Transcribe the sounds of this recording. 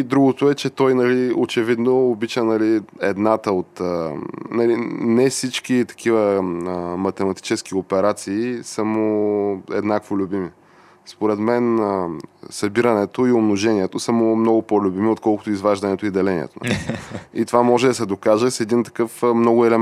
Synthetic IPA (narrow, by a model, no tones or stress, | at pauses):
id̪ɾuɡʊt̪ʊɛt͡ʃɛt̪ɔjnɐliot͡ʃɛvid̪noːbit͡ʃənɐliɛ̰d̪nat̪əot̪ənɐlinɛfsit͡ʃk̟it̪ɐ̥k̟ʰivəəmɐt̪ɛmɐt̪i̥t͡ʃɛsk̟ʲiopɛɾat̪siːsəmoɛ̰d̪nakvolʲʊbimi | spoɾɛt̪mɛn | sɐbiɾɐnɛt̪oiomnoʒɛnʲiɛt̪osəmʊmnɔɡʊpolʲubimiot̪̚kɔlˠkʊ̥t̪ʊizvaʒd̪ɐnɛt̪oid̪ɐlɛnḭɛ̰t̪o̰n̰liit̪ovamɔʒɛd̪ɐsɛd̪okaʒɛsɛd̪int̪ɐ̥kɤfmnɔɡʊɛlɛ